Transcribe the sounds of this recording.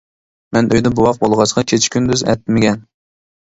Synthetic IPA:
mɛnʔøjd̪ɛbuwɑq̚bolˠʁɑsəqʰɑkʲʰet͡ʃʰɪ̥kʲynd̪yzɛ̰t̪ːmɪɡʲɛn

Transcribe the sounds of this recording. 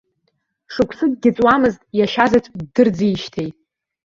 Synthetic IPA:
ʂɨkʷʰsɨɡɡʲɪt͡sʼwamɨztʼjaʃazat͡sʷʼdɨrd͡zijʃtʰejtʼ

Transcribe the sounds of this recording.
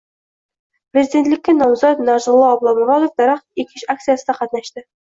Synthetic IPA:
pɾʲezʲid̪ʲe̞nt̪lɪ̆kʲːenɒwzɑt̪nɑʒɤ̆lˠɑːblˠɑmovɑd̪ofd̪ɑɾɑχikʲɪɕak̚t̪sɨjasə̆d̪ɑqɑt̪̚nɑʃt̪ɘ

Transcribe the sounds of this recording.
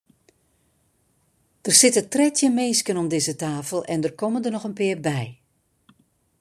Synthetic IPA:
d̥ərsɪtətrɛtjəmeːskənɔmdɪzətaːfəlˠʔɛndərkɔməndərnɔxənpɪːərbɛj

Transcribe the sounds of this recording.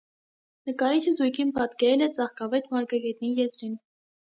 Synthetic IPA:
nəkɑɾit͡ʃʰəzujkʰinpʰɑt̪kɛɾɛlɛt͡sɑχkɑvɛt̪mɑɾkɑɡɛt̪nijɛzɾin

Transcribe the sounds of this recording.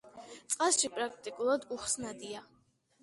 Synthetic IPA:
t̪sʼqʼasʃipʼɾakʰt̪ʼikʼulˠad̪uχsnad̪ia

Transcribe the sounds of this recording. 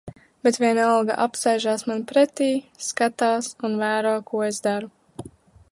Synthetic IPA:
b̥et̪vʲiɛnalɡa̰ʔapsajʒaːsmanpɾɛt̪iːskat̪aːsunvæːɾɔːkuɔezd̪aɾu

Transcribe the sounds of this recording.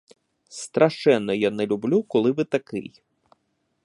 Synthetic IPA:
st̪ɾɐʃɛnːɔjanɛlʲublʲukɔlˠɪʋɪt̪ɐkɪ̰j

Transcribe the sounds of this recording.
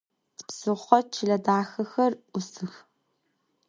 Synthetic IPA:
tpsɨχʷɔt͡ʃʰɪɮɐdaːxɐxɐrʔʷʊsɨx

